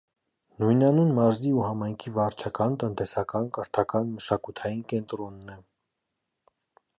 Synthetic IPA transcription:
nujnɑnunmɑɾziuhɑmɑjŋkʰivɑɾt͡ʃʰɑkɑnt̪ənt̪ɛsɑkɑnkəɾt̪ʰɑkɑnməʃɑkut̪ʰɑjinkɛnt̪ɾɔnːɛ

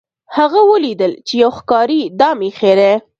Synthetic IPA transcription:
haɣawəlid̪əlt͡ʃejawxkɑɾid̪ɑmixeɾe

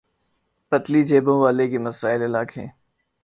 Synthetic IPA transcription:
pət̪lid͡ʒeːbõʋaːlekemɐsaːɪlɪlaːkɦɛ̰̃ː

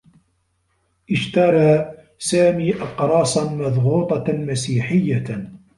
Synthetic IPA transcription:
ʔɪʃt̪ɑɾˤɑː | saːmiːʔɑqɾˤɑːsˤɑnmɑðˤɣuːt̪ˤɑmasiːħɪjːa

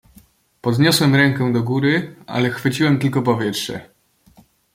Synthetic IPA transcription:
pɔd̪ɲɔswɛmɾɛŋkɛ̃d̪ɔɡuɾɘa̰lɛxfɘt͡ɕiwɛmt̪ɘlkɔpɔvʲjɛtʂɛ̰

